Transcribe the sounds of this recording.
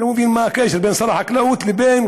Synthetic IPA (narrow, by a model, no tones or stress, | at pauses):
mʊfiːnmakeːʃɪɾbeːnsˤɑɾˤɑːħaklawut̪lɪbeːn